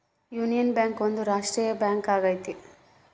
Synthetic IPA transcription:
juːnijɐnbjaːŋkʋond̪uɾaːʂʈɾiːjɐbjaːŋkaːɡajt̪i

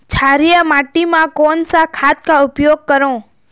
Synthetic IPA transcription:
t͡ʃʰaɾijəmaʈimãkonsakʰat̪̚kaʊpjoɡ̚kəɾõ

